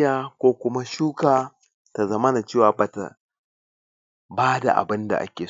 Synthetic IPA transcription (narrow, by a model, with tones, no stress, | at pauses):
jaː˦kʷoː˦kʷʊ˦ma˦ʃuː˦kaː˨ | ta˨zɐ˦ma˦na˨t͡ʃeː˦˨waː˨baː˨ta̰˨ | baː˦da̰˨ʔa̰˨bɪ˦nda̰˨ʔa̰˦kʲeː˨